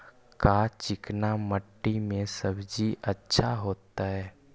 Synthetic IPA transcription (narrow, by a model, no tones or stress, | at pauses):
kat͡ʃɪknaməʈːimẽsəbd͡ʒiʔətːʃʰaɦoːt̪aɦɛː